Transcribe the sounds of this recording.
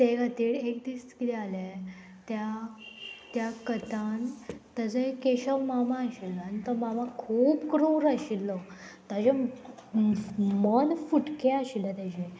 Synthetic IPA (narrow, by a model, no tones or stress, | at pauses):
t̪eɡat̪iːɽek̚d̪iskit̪ɛale | t̪ja | t̪jakət̪ãnt̪əd͡zekeɕəmamãːɕiləanit̪əmamakʰuːpkɾoɾaɕilːət̪ad͡ʑe | mənfuʈkeaɕilət̪ad͡ʑẽ